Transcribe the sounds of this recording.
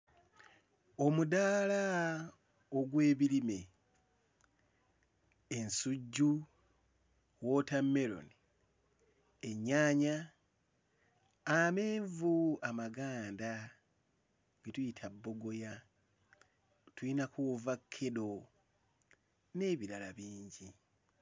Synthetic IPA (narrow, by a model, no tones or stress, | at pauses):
o̞mudala | oɡwe̞ːβilime̞ | ensuɟːu | wo̞tamːe̞ɾo̰ni | eɲːaːɲa | ame̞ːɱvuamaɡaːnda | ɡetujitʰabːo̞ɡo̞ja | tuinakuvakʰːedo̞ | ne̞ːβiɾalaβiːɲɟi